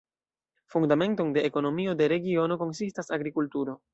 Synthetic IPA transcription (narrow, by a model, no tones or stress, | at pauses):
fundame̞nto̞nde̞ʔːko̞no̞mio̞de̞ɾe̞ɡio̞no̞ko̞nsistasaɡɾikultuɾo̞